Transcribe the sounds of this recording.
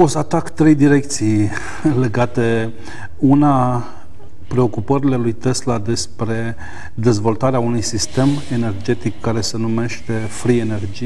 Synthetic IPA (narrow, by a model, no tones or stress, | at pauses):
osat̪akt̪ɾe̞jd̪iɾe̞k̚t̪sij | le̞ɡat̪e̞ | una | pɾe̞o̞kupəɾile̞lujt̪e̞slad̪e̞spɾe̞ | d̪e̞zvo̞lt̪aɾeaunujsist̪e̞me̞ne̞rd͡ʒe̞t̪ikːaɾe̞se̞nume̞ʃt̪e̞fɾie̞ne̞rd͡ʒi